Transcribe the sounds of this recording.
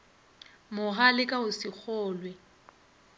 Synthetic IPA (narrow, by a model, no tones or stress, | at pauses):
mʊɣalɪkʼaʊsɪk͡xʰɔːlwɛ